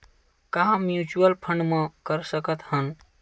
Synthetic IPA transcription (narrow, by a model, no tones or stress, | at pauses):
kaɦãmjut͡ʃuəlpʰəɳɖmekəɾsəkət̪hən